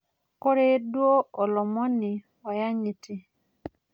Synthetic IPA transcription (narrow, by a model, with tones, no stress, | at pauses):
ko˦ɾe˦dwo˦ɔ˨lɔ˨mɔ˦nɪ˨ | ɔ˨ja˦ɲi˨ti˦